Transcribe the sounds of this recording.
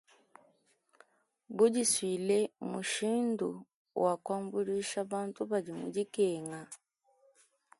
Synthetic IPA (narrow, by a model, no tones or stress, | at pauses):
buɟiswiːlemuʃiːndṵ | wakwaːmbuliʃaβaːntuβaɟimṵɟikeːŋa